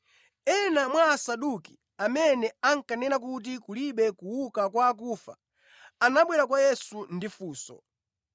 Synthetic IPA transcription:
ɛnamwaːsaɗuki̥ | amɛnɛaŋ̩kanɛnak̬ut̬ikuliɓɛkuwukakwaːk̬uːfa̰ | anaɓwɛɾakwajɛsundifuːsɔ̰

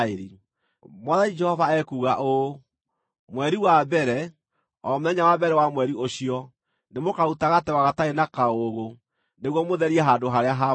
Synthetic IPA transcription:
eɾi | mwaðaid͡ʒɛhɔvaɛkuɣaʔo | mwɛɾiwabɛɾɛ | ɔmoðɛɲawabɛɾɛwamwɛɾioɕiɔ | nemokautaɣatɛwaɣataenakaoɣo | neɣwɔmoðɛɾiɛɦadoɦaɾeaɦa

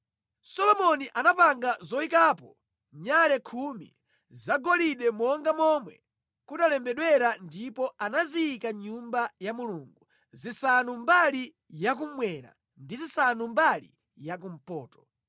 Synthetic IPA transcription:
sɔlɔmɔniʔanapaŋɡazɔikaːpɔ | ɲalɛkʰumḭ | zaɡɔliɗɛmɔŋɡamɔmwɛ̰ | kutalɛmbɛɗwɛɾandipɔanaziːkaɲumbajamuluŋɡu | zisanumbali | jak̬um̩mwɛɾa̰ | ndizisanumbalḭ | jakum̩pɔːtɔ̥

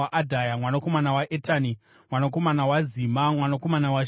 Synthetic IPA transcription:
aʔadʱajamwanako̞manawaʔetani | mwanako̞manawaziːmamwanako̞manawa

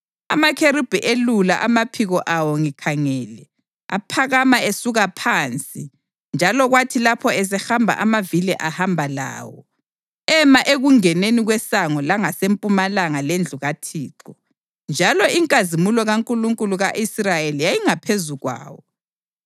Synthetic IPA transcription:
a̰makʰeɾib̥ʱiʔelulaʔamapʰiɣɔʔawɔŋikʰaŋɛːlɛ | a̰pʰaɣamaesuɣapʰant͡sʼi | nd͡ʒʱalɔɣwatʰilapʰɔɛs̬ɛxambʱa̰ʔamavilɛʔahambʱala̰ːwɔ̰ | ɛmaʔeɣuŋɛneniɣwɛsaŋɔlaŋasempʼumalaŋalend͡ɮʱuɣatʰiːǁɔ | nd͡ʒʱalɔiŋkʼazimulɔɣaŋkʼuluŋkʼuluɣaʔisrajelijajiŋapʰezuɣwa̰ːwɔ

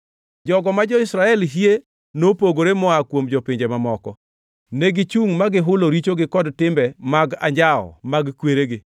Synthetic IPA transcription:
d͡ʒɔɡɔmad͡ʒɔɪsɾaɛlɦie | nopoɡoɾemɔakwomd͡ʒopɪɲd͡ʒemamɔkɔ | neɡɪt͡ʃuŋmaɡɪɦʊloɾit͡ʃoɡɪkɔdtɪmbɛmaɡa̰ɲd͡ʒaɔ̰maɡkweɾeɡɪ

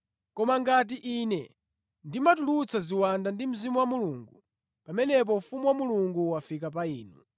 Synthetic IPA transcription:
kɔmaŋɡat̬iʔiːnɛ | ndimatulut͡sʰaziwandandim̩zimuwamuluːŋɡu | pamɛnɛp̬ɔfumuwamuluŋɡuwafikap̬aiːnu

